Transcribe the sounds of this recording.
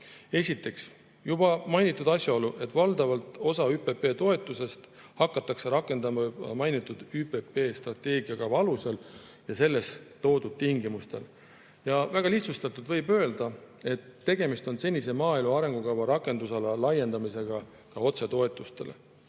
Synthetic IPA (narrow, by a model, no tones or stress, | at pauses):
e̞sʲit̪ːˑe̞ks | jubɑmɑjnit̪ːˑud̪ɑsʲjɑo̞luʔe̞t̪ːˑvɑld̪̥ɑvɑlt̪o̞sɑyːpe̞pe̞ːt̪o̞e̞t̪ːˑuse̞st̪hɑkːɑt̪ːˑɑkse̞ɾɑkːˑe̞nd̪ɑmɑmɑjnit̪ːˑud̪̥ype̞pe̞ːst̪rɑt̪ːe̞ːɡiɑkɑwvɑɑlusel | jɑse̞lːe̞st̪o̞ːd̪ud̪̥̚t̪iŋɡimust̪e̞̰l | jɑvæɡ̥ɑliht̪sust̪ɑt̪ːˑud̪̥vɤ̞jbø̞eld̪̥ɑ | e̞t̪ːe̞ɡ̥e̞mist̪o̞nse̞nʲːise̞mɑːilmuɑɾe̞ŋɡ̥ukɑwvɑɾɑkːˑe̞nd̪usɑlɑlɑje̞nd̪ɑmise̞ɡ̥ɑ | kɑo̞t̪se̞t̪o̞e̞t̪ːˑust̪e̞̰le̞̰